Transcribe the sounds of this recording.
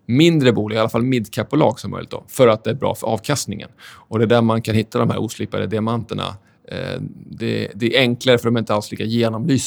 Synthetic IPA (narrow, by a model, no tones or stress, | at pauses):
mɪnd̪ɾəbuːlɪɡalafalmɪd̪ːkʰapːʊlɑ̰ːɡsɔmːœ̰jlɪ̰t̪d̪ɔ̰fœɾat̪̚d̪ɛæɾbɾɑ̰ːfœɾʔɑːvkʰast̪nɪŋə̰nɔd̪ɛd̪æːɾmankʰanhɪt̪ʰːad̪ɔmɦæ̰ɾuːsliːpad̪əd̪ɪamant̪əɳa̰ | d̪ɛd̪ɛæɾɛŋklaɾəfœɖɔmɛɾɪnt̪əalsliːkajeːnɔmlyːs